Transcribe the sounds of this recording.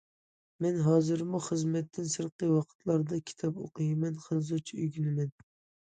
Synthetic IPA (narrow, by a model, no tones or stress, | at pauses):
mɛnɦɑːzɨɾmuχəzmɛt̪ʰːɪnsɨɾqəwɑqʰə̥t̪ʰlˠɑɾd̪ɑkʲʰi̥t̪ʰɑpo̰qʰɨjɪmɛnχənz̬ut͡ʃʰiyɡʲynɪmɛn